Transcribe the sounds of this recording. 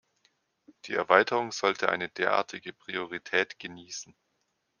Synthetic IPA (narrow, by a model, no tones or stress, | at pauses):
d̥iːɛɐvaɪtʰəʁ̞ʊŋz̥ɔltʰəʔa̰ɪnədeːɐʔa̰ːɐtʰɪɡəpʁ̥ioʁ̞itʰɛːtɡ̥əniːsn̩